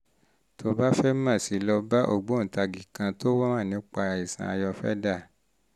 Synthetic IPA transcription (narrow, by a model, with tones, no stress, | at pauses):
tʰo˧˦ba˦fɛ˦mã˦˨si˨˦lɔ˧ba˦ʔo̰˦˨ɡ͡bõ˨˦n̩˨ta˧ɡi˨kã˧to˦wɔ˦mã˦˨nĩ˨˦k͡pa˧ɾa˧˨i˨sã̰˨˧a˧jɔ˧fɛ̰˦da˦˨